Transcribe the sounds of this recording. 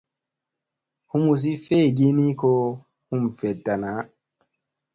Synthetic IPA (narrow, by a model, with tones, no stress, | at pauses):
hu˦mu˨s̬i˦fe˦˨ɡi˦ni˦ko˦ | hu˦mfɛ˨tːa˨na˨˦